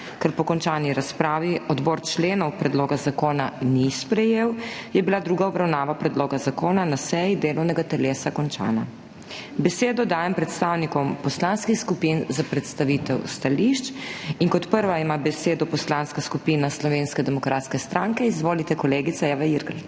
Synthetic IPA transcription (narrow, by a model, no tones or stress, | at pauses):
kɐɾpɔkɔnt͡ʃaːniɾaspɾaːʋiɔd̪boːɾt͡ʃleːnɔwpɾɛd̪loːɡazakoːnanispɾɛjeːwjɛbilad̪ɾuːɡaɔbɾawnaːʋapɾɛd̪loːɡazakoːnanasɛjid̪eːlɔwnɛɡat̪ɛleːsakɔnt͡ʃa̰ːna | bɛseːd̪ɔd̪aːjɛmpɾɛt̪st̪aːwnikɔmpɔslanskixskupinzapɾɛt̪st̪aʋit̪ɛwst̪aliʃt͡ʃiŋkɔt̪pəɾʋaimabɛseːd̪ɔpɔslaːnskaskupiːnaslɔʋeːnskɛd̪ɛmɔkɾaːt̪skɛst̪ɾaːŋkɛizʋoːlit̪ɛkɔleːɡit̪sajaʋaiɾɡalt̪